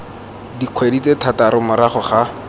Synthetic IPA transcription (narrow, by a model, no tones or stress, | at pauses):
diq͡χʰwedit͡setʰataɾʊmʊɾaχʊχa